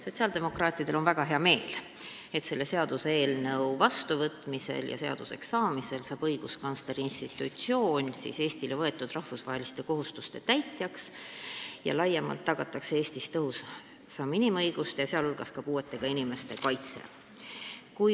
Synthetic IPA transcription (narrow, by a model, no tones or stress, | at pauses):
so̞t̪siɑld̪e̞mo̞krɑːt̪ˑid̪̥e̞lo̞nvæɡ̥ɑɦe̞ɑme̞ːl | e̞t̪se̞lːe̞se̞ɑd̪̥useeːlnɤwvɑst̪uvɤt̪ˑmise̞̰ljɑ̰se̞ɑ̰d̪̥use̞̰ksɑːmise̞lsɑːb̥ɤjɡ̥uskɑnsleɾiinst̪it̪ːˑut̪sio̞ːnʲsḭːse̞ːst̪ilevɤe̞t̪ːˑud̪̥rɑhfusvɑ̰ɦelist̪e̞ko̞ɦust̪ust̪e̞t̪æjt̪jɑks | jɑ̰lɑjːɑmɑ̰lt̪ːɑɡ̥ɑt̪ːˑɑksee̞ːst̪ist̪ɤɦus | sɑminʲimɤjɡ̥ust̪jɑse̞ɑlulɡ̥ɑskɑpuːe̞t̪ːˑe̞ɡ̥ɑinʲime̞st̪e̞kɑjt̪sḛ | kuj